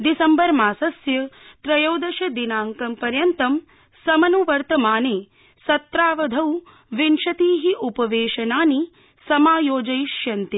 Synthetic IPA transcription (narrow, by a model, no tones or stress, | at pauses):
d̪isɐmbɐɾmaːsɐsjɐt̪ɾɐjowd̪ɐʃɐd̪inaːŋkɐmpɐɾjɐnt̪ɐm | sɐmɐnuʋɐɾt̪ɐmaːneː | sɐt̪ɾaːʋɐd̪ʱɐw | ʋinʃɐt̪iːɦiʔupɐʋeːʃɐnaːni | sɐmaːjoːd͡ʒɐjiʃjɐnt̪i